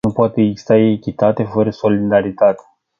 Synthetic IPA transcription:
upoat̪eɡzi̥st̪aeːkʲit̪at̪e̞fəɾəso̞lid̪aɾit̪at̪e̥

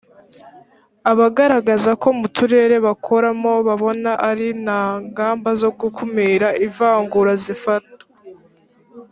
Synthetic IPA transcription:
aβaɡaɾaɡazako̞mutʰuɾe̞ːɾe̞βakʰo̞ɾamo̞βaβo̞naʔaɾinaŋɡaːmbazo̞ɡukʰumiɾaivaːŋɡuɾazifat̚o̥

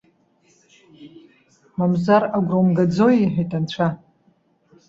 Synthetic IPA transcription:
mamzaɾaɡʷromɡad͡zojiħᶣejtʼant͡ɕʷʰa

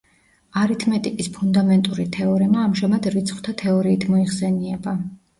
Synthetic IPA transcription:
aɾit̪ʰmɛt̪ʼikʼispʰund̪amɛnt̪ʼuɾit̪ʰɛɔɾimaːmʒamad̪ɾit̪sʰχw̥t̪ʰat̪ʰɛɔɾiːt̪ʰmɔiʁsɛniɛba

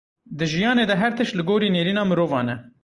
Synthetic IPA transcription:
d̪ɨʒijɑːneːd̪ɛɦɛɾt̪ʰɨʃlɨɡoːɾiːneːɾiːnɑːmɨɾoːvɑːnɛ

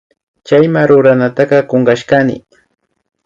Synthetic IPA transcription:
t͡ʃajmaɾʊɾanat̪aɢɑkoŋɢɑʃkanɪ̰

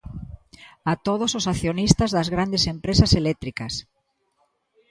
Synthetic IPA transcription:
at̪oðososaθjonist̪ɐzðɐzɣɾand̪esempɾesaselɛt̪ɾikɐs

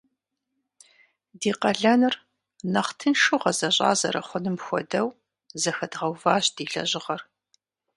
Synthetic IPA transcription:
diːqɐɮɐnɨr | nɐχtʰɨnʃɨʁɐzɐɕʼɑ̰ːzɐ̰ɾɐ̰χʷʊnɨmxʷɔ̰dɐw | zɐxɐdʁɐwvaːɕd̥iːɮɐ̰ʑɪʁɐr

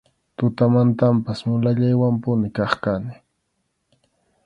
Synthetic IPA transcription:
t̪ʊt̪amant̪ampasmʊlaʎajwampʊnɪkɑχkanɪ

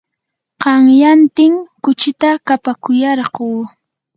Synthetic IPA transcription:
qɑŋjant̪ɪŋkʊt͡ʃɪt̪akapakʊjɑɾɢoː

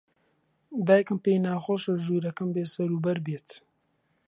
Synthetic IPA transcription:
d̪aːjkəmpeːjnaːxoʃəʒuːɾɐkɐmbeːsɐɾuːbɐɾbeːt̪

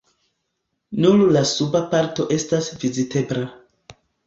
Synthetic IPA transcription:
nullasubapaɾto̞ʔe̞stasvizite̞bɾa

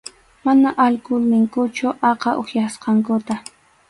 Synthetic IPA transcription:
manaʔalkʊlnɪŋkʊt͡ʃʊʔɑqɑʔoχjasqɑŋkʊt̪a

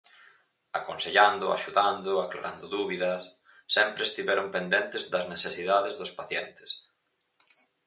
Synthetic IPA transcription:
akonseʎand̪ʊa̰ʃuðand̪ʊakla̰ɾʔand̪ʊðuβiðɐsː | ɛmpɾest̪iβɛɾʊmpend̪ent̪ɪzðɐzneθesiðaðezðʊspaθjɛnt̪ɪ̥s

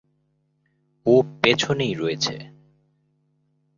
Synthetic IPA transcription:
opet͡ɕʰonejɾɔjet͡ɕʰḛ

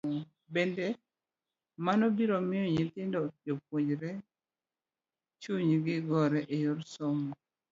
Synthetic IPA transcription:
bɛndɛ | manɔbiɾomɪjɔɲitɪndɔd͡ʒop̚woɲd͡ʒɾɛ | t͡ʃuɲɡɪɡɔɾɛʔejoɾsoŋɡo

